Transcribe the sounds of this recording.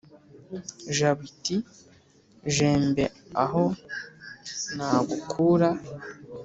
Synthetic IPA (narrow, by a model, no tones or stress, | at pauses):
ʒaβiti | ʒeːmbeaɦo | naːɡukʰuɾa